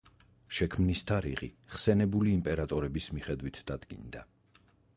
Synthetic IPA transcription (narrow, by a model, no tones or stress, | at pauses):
ʃɛkʰmnist̪ʰaɾḭʁḭχsɛnɛbuliːmpʼɛɾat̪ʼɔɾɛbismiχɛd̪wit̪ʰd̪̥ad̪ɡḭnd̪a